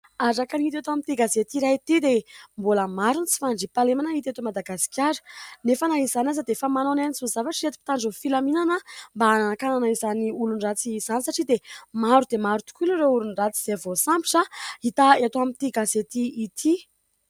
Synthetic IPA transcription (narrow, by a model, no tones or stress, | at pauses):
aɾakanit̪at̪oamit̪iɡazet̪iɾait̪id̪emboləmaɾunt͡si̥faɳɖ͡ʐipalemanait̪et̪omad̪aɡasi̥kʲjaɾə̥nefanaizanʲazəd̪efəmanonanisuzavaʈ͡ʂiɾet̪u̥pi̥t̪aɳɖ͡ʐofilaminanəmbaananakananəizaniulunrat͡siːz̥anisaʈ͡ʂid̪emaɾud̪emaɾut̪u̥kulureuɾunrat͡si̥z̥evosampi̥ʈ͡ʂait̪aet̪oamit̪iɡazet̪iːt̪ʰi